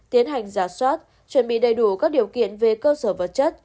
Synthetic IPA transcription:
t̪i˨˦ənɦa˨˩jŋ̟zaː˧˩swaː˦˥t̚ | t͡ɕwə˧˩nɓḭ˧˨ɗə˨˩jɗu˧˩kaː˦˥k̚ɗi˨˩əwkḭ˧˨ənve˨˩kəː˧səː˧˩və˨˩t̚t͡ɕə˦˥t̚

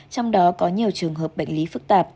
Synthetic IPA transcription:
t͡ɕɔ˧wŋ͡mɗɔ˨˦kɔ˨˦ɲi˨˩əwt͡ɕɨ˨˩əŋɦəː˨˩p̚ɓa̰˧˨jŋ̟li˨˦fɨ˦˥k̚t̪aː˨˩p̚

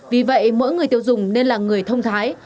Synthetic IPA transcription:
vi˨˩və̰˧˨jmo̰˧˥jŋɨ˨˩əjt̪i˧wzʊ˨˩ŋ͡mne˧nlaː˨˩ŋɨ˨˩əjt̪ʰə˧wŋ͡mt̪ʰaː˨˦j

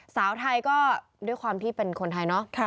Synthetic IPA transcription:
saː˩˦wt̪ʰa˧jkɔː˥˩ | du˥˩əjkwaː˧mt̪ʰiː˥˩pe˧nkʰo˧nt̪ʰa˧jnɔ˦˥kʰ

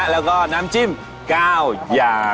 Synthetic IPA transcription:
laː˧˩ɣɔ˧˩na˧˩mt͡ɕi˧m | kaː˧wzaː˨˩

